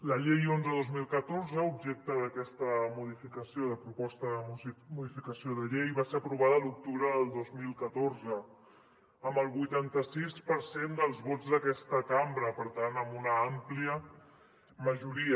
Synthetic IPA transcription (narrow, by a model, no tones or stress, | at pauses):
ləʎejonzəðozmilˠkət̪oɾzəubʒek̚t̪əðəkɛst̪əmuðifikəsioðəpɾupɔst̪əðəmuðifikəsioðəʎejβaseɾəpɾuβ̞aðəluk̚t̪uβɾəðəlˠd̪ozmilˠkət̪oɾzə | əmbəlˠβujt̪ant̪əsispəɾsend̪əlˠzβod͡zd̪əkɛst̪əkambɾəpəɾt̪anəmbunəampliə | məʒuɾiə